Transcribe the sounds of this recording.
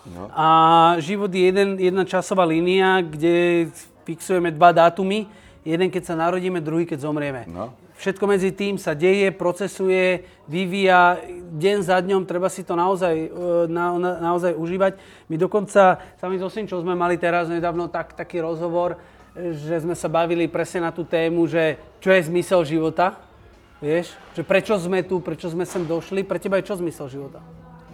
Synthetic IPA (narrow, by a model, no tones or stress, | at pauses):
aʒiʋɔd̪jɛjɛd̪ɛnjɛd̪nat͡ʃasɔʋaːliːniaɡɟɛ | fiksujɛmɛd̪ʋad̪aːt̪umi | jɛd̪ɛŋkɛcsanaɾɔɟiːmɛd̪ɾuɦiːkɛɟzɔmɾɪɛmɛ | fʃɛt̪̚kɔmɛd͡zit̪iːmsaɟɛjɛpɾɔt͡sɛsujɛ | ʋiʋiːjaɟɛnzad̪ɲɔmt̪ɾɛbasit̪ɔnaɔzajnananaɔzajuʒiːʋac | mid̪ɔkɔnt͡sasamizɔsimt͡ʃɔzmɛmalit̪ɛɾazɲɛd̪aːʋnɔt̪akt̪akiːɾɔzɦɔʋɔɾ | ʒɛzmɛsabaʋilipɾɛsɲɛnat̪uːt̪ɛːmuʒɛt͡ʃɔjɛzmisɛlʒiʋɔt̪a | ʋɪɛʃʒ̥ɛpɾɛt͡ʃɔzmɛt̪upɾɛt͡ʃɔzmɛsɛmd̪ɔʃlipɾɛcɛbajt͡ʃɔzmisɛlʒiʋɔt̪a